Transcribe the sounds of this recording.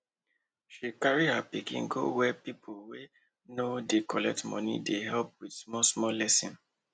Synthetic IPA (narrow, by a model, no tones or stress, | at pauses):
ʃikaɹihapikḭ̃nɡo̰wɛpipʰowe | nodekʰɔlɛk̚tmɔ̰̃nḭdeɦɛlp̚widsmɔsmɔlɛsĩn